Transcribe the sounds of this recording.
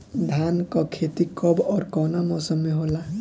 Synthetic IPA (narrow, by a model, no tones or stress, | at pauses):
d̪ʱankɔkʰet̪ikɔbɔːɾkɔnamɔsʌmːeɦola